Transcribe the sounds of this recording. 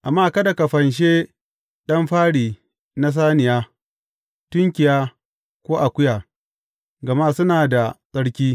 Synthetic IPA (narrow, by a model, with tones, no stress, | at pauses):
ʔa˨mːaː˦kɐ˦da˨ka˨ɸɐ˨nʃ̬eː˦ | ɗɐ˦mɸaː˦ɽiː˨ | na˦s̬aː˦nɪ˨jaː˦ | tʊ˦ŋkʲɪ˨jaː˦ | kʷoː˦ʔa˨kʷʊ˦jaː˨ | ɡɐ˨maː˦sʊ˦naː˨da˨sʼɐ˦ɽkʲiː˦